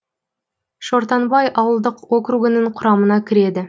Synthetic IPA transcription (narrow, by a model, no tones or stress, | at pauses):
ʃo̞ɾt̪ɑnbɑjʔɑwəlˠd̪əqwo̞kɾuɡənəɴqʰʊɾɑmənɑkʲʰɪɾe̞d̪ɪ